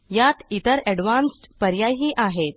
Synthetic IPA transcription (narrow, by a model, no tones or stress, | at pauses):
jat̪it̪əɾɛɽʋansʈpəɾjajɦiːʔaɦet̪̚